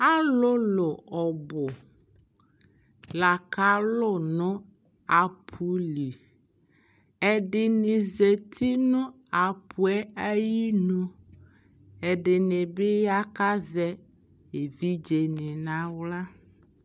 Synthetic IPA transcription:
a˦lʊ˦lʊ˨ɔ˨bʊ˨ | la˨ka˦lʊ˦nʊ̃˦ | a˨pʰu˦li˨ | ɛ˨ɖɪ˨nĩ˨ze˨t̪ʰi˦nʊ̃˦ | a˨pʰu˨ɛ˦a˦ji˦nũ˦ | ɛ˨ɖɪ˨nɪ˨bɪ˦ja˦ka˦zɛ˦ | e˨vi˦d͡ʒe˨nɪ̃˨nã˦wla˦

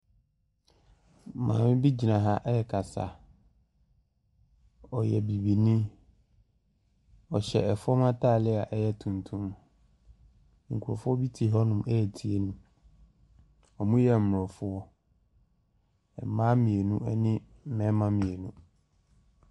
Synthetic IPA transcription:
mã̰ː˨mɪ̃˦bi˦d͡ʑi˨nã˨ɦa˦ʔɛ˦ɛ˨kʰa˨sa̰˨ | ɔ˨jɛ˨bi˨bi˨nĩ˦ | ɔ˨ɕɛ̰˨ɛ˨fɔ˦mã˦tʰaː˦˨lɪ˦a˨ʔɛ˦jɛ˦tʰũ˨ntʰũ˦m | ŋ̩˨kʰu˨ɔ̰˨fʊ˦ɔ˦bi˦tʰi˨ɦɔ˦nʊ̃˨mɛ˦˨tʰi˨e˦nũ˦ | ɔ˨mũ˦jɛ˨m̩˨mʊ˨ɔ˨fʊ˦ɔ˦ | ɛ˨mã˦mĩ˨e˨nũ˦ɛ˦nɪ̃˦ | m̩˦˨mɛ̃˨˦mã˦mĩ˨e˨nũ˦

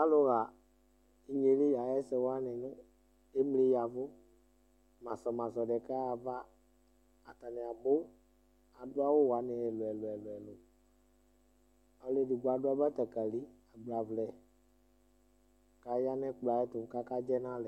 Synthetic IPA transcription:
a˦lo˦ɣa˨ | i˨ɲe˨˦le˦ja˨jɛ˦sɛ˨wo˦a˦nɛ̃˨nũ˦ | e˦m˦le˨˦ja˨vo˦ | mã˨sɔ˨mã˨sɔ˨ɖɛ˨kaː˦˨vaː˦˨ | t̪a˨nɛ̃˨a˨bo˦ | a˨du˦a˦wo˦wa˨˦nɛ̃˨ɛ˨lɛ˨lo˨ɛ˨lo˨ɛ˨lo˨ | a˨le˦di˨ɡu˨a˨du˦a˦bɛ˦t̪ɛ˨ka˨li˦a˨ɡ͡bla˨vlɛ˨ | ka˨˦ja˦nɛ̃˦k͡pla˨ɛ˦t̪o˨ka˦ka˦d͡ʒɛ˦nã˦lɛ˨

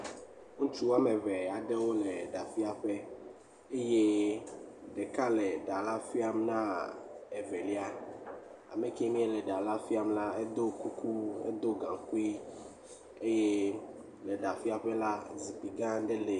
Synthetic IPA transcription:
ŋũ˦t͡ʃu˦wa˦me˨vɛ˨a˨ɖe˦wo˦le˨ɖa˨fi˦a˨ɸɛ˦ | e˦je˦ | ɖe˨ka˦lɛ˨ɖa˨la˦fi˦a˦mnã˦ɛ˨ve˨li˦a˦ | a̰˨me˨ke˦mĩ˦e˦lɛ˨ɖa˨la˦fi˦a˦mla˦ɛ˦d̪o˦ku˦ku˦ɛ̰˦d̪o˦ɡã˨ŋku˦i˦ | e˦je˦ | lɛ˨ɖa˨fi˦a˨ɸɛ˦la˦zi˨pi˨ɡã˦ɖe˦le˨

